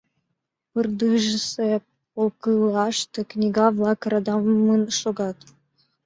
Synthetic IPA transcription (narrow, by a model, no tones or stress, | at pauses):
pɨrd̪ɯʒəse | olˠkɯlˠɑʃt̪ɤ̆knʲiɡɑvlˠɑkɾɑd̪ɑmmənʃoɡɑt̪